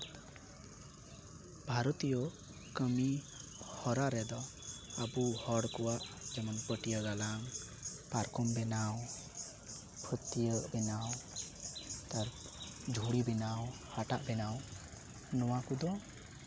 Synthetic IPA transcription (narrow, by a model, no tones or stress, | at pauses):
bʱaɾɔt̪ijɔ | kəmi | hɔɾaɾɛd̪ɔabuhɔɽkɔwaʔd͡ʒɔmɔnpəʈijəɡalaŋ | paɾkɔmbɛnaw | pʰət̪ːijəʔbɛnaw | t̪aɾ | d͡ʒʱuɽibɛnaw | haʈaʔbɛnaw | nɔwakud̪ɔ